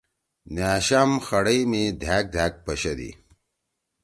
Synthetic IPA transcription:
njaːɕamxɐɽɐimid̪ʱaːk̚d̪ʱaːk̚pɐɕɐd̪ḭ

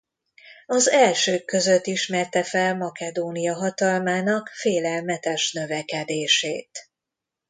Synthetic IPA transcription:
ɒzɛlʃøːkːø̞zøt̪ːiʃmɛrt̪ɛfɛlmɒkɛd̪oːnijɒɦɒt̪ɒlmaːnɒkfeːlɛlmɛt̪ɛʃnø̞vɛkɛd̪eːʃeːt̪

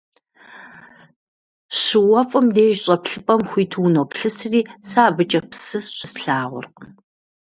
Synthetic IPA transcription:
ɕɪwɐfʼɨmdeːʒɕʼɐpɬɨpʼɐmxʷiːtʰuːnoːpɬɨsriːsaːbɨt͡ʃʼɐpsɨsɕʷʼɪsɬaːʁʷʊ̰rq

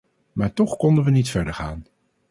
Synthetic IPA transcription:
maːɹtɔχkɔndənʋənitfɛɹdəɹχaːn

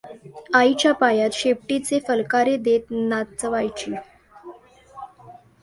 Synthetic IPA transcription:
ait͡ɕjapajat̪ɕep̚ʈit͡sefəlkaɾed̪et̪nat̪̚t͡səʋajt͡ɕiː

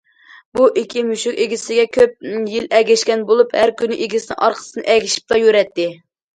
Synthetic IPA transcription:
buʔikʲʰimyʃukʲeɡʲisɪɡʲɛkʲʰøp̚jilɛɡʲɛʃkʲɛnbolˠuphæɾkʲynɪʔeɡʲisɪnɪ̰ʔɑ̰ɾqʰə̥sɨnɨ̰ʔɛɡʲiʃi̥p̚t̪ɑjøɾɛt̪ːɪ

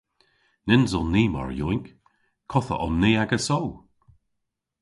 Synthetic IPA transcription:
nɪnzɔlniːma̰ɹjṵːɪŋk | kʰɔθə̰ʔɔ̰nːiːaɡəsow

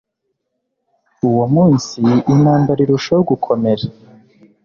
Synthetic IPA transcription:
uwomuːnsiːnaːmbaɾiɾuʃajuɡukʰo̞me̞ɾe

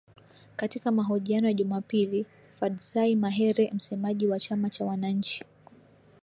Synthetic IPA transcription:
katikamaɦɔʄianɔjaʄumapili | fadsaimaɦɛɾɛm̩sɛmaʄiwat͡ʃamat͡ʃawanaɲ̩t͡ʃi̥

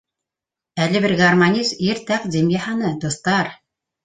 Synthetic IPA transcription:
ælɘ̆βɘɾɡarmanʲisiɾt̪æqd̪ʲimjɑhɑnɤd̪ost̪ɑɾ

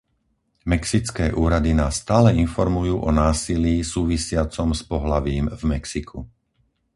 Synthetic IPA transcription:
mɛksit͡skɛːʔuːɾad̪inaːsːt̪aːlɛinfɔɾmujuːʔɔnaːsiliːsuːʋisɪat͡sɔmspɔɦlaʋiːmvmɛksikʰu

